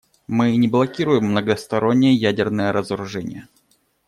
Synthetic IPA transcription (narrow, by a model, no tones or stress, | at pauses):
mɨnʲɪblˠɐkʲiɾʊjɪmːnəɡəst̪ɐɾo̞nʲːɪjəjædʲɪrnəjəɾʔəzəɾʊʐɛnʲɪ̰jə